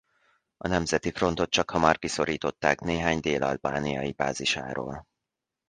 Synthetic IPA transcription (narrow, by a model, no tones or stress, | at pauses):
ɒnɛmzɛt̪ifro̞n̪t̪o̞t̪̚t͡ʃɒkhɒmɒrkiso̞ɾiːt̪o̞t̪ːaːkneːɦaːɲd̪eːlʔɒlbaːnijɒjiba̰ːziʃa̰ːɾo̰ːl